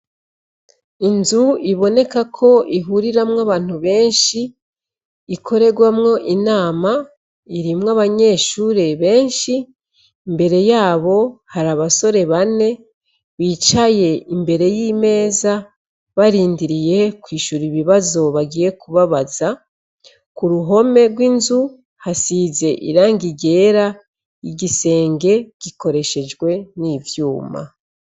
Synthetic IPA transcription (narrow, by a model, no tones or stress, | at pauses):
inzuiβo̞ne̞kakʰo̞ʔiɦuɾiɾamŋaβaːn̥huβe̞ːnʃiː | kʰo̞ɾe̞ɡwamŋo̞ʔinaːma | iɾimŋaβaɲe̞ːʃuːɾe̞βe̞ːnʃiː | mbe̞ɾe̞jaːβo̞haɾaβaso̞ɾe̞βane̞ | βiːt͡ʃaje̞imbe̞ɾe̞jiːme̞ːza | βaɾiːndiɾije̞kwiːʃuɾiβiβazo̞βaɡiːje̞kuβaβaza | kuɾuɦo̞me̞ɾɡwinzu | hasize̞ʔḭɾaːŋɡiɟe̞ːɾa | jiɟise̞ːŋɡe̞ɟ̥iko̞ɾe̞ʃe̞d͡ʒɡwe̞nivjuːma̰